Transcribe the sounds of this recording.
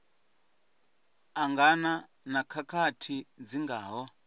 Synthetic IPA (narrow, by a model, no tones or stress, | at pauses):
aŋɡana | nakʰakʰatʰid͡ziŋɡaːɦɔ